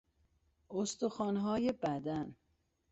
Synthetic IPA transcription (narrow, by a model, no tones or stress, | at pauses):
ost̪oxɒːnɦɒːjebæd̪æn